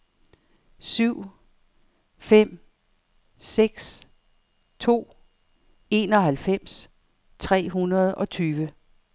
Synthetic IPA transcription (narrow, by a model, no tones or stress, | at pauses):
syʊ̰ | fem̰ | seɡ̥s | t͡sʰo̝̰ː | e̝ːnɒ̽ɦælfem̰s | t͡sʰʁɛ̰ːɦunɐð̞ˠɒ̽t͡sʰyːʋə